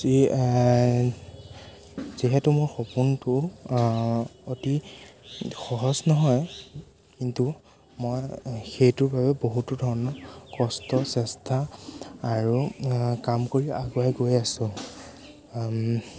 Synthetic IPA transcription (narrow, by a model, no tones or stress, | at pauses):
zi | ziɦɛtʊmoɹxopuntʊ | oti | xɔɦɔznɔɦɔj | kintu | mɔjxejtʊɹbʱabɛboɦutʊdʱɔɹɔnɔkɔstɔsɛstʰaː | ɹukamkoɹiaɡuajɡojasʊ̃